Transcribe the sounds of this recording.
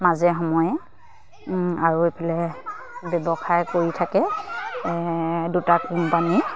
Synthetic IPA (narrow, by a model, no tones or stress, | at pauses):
mazɛxɔmɔjɛ | aɹuepʰilɛ | bɛbɔxajkoɹitʰakɛ | dutakimpani